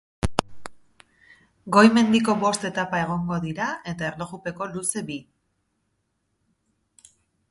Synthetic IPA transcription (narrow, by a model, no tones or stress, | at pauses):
ɡo̞jme̞nd̪iko̞βo̞st̪e̞t̪apae̞ɣ̞o̞ŋɡo̞ðiɾae̞t̪ae̞rlo̞ɣupe̞ko̞luse̞bi